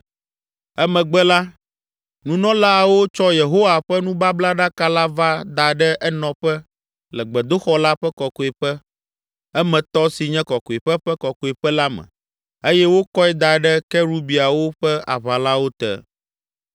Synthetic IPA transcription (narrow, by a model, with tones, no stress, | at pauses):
ɛ˦mɛ̃˨ɡ͡bɛ˦la˦ | nũ˦nɔ̃˦la˦˨wo˦t͡ʃɔ˦je˨ɦo˦wa˨ɸɛ˦nũ˦ba˦bla˦ɖa˦ka˦la˦va˦d̪a˨ɖɛ˦ʔɛ˦nɔ̃˨ɸɛ˦ | lɛ˨ɡ͡bɛ˨d̪o˦xɔ˦la˦ɸɛ˦kɔ˨kɔ˨ɛ˨ɸɛ˦ | ɛ˦mɛ̃˨t̪ɔ˦si˨ɲɛ̃˦kɔ˨ko˨e˨ɸɛ˦ɸɛ˦kɔ˨ko˨e˨ɸɛ˦la˦mɛ̰̃˨ | e˦jɛ˦wo˦kɔ˦ɛ˦d̪a˨ɖɛ˦kɛ˦ɾu˦bi˨a˨wo˦ɸɛ˦a̰˨βa˨la˦wo˦t̪ɛ̰˦